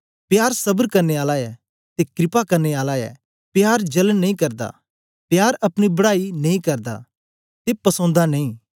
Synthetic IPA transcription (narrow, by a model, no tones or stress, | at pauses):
pjaːɾsɐbəɾkɐɾneaːlaɛ | t̪ekɾɪpakɐɾneaːlaɛ̰ | pjaːɾd͡ʒɐlnnːɐĩkɐɾd̪a̰ | pjaːɾɐpɽ̃ibɐɽaːinɐ̃ĩkɐɾd̪a̰ | t̪epɐsõːnd̪anɐĩː